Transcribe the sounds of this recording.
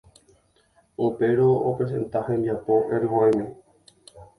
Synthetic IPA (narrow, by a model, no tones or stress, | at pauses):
upe̞ɾoopes̬ẽ̞̰nt̪ahẽnbiapoʔeɾɦoemẽ